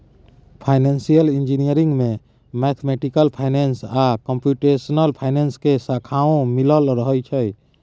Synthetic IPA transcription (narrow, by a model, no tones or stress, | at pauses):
pʰaːɪnẽːnsijəlĩnd͡ʒinijəɾĩŋɡmẽ | mɛt̪ʰmeʈikəlpʰaːɪnensakə̃mpjuʈesənəlpʰaɪneːnskesakʰaːõmiləlɾəɦəjt͡ʃʰəj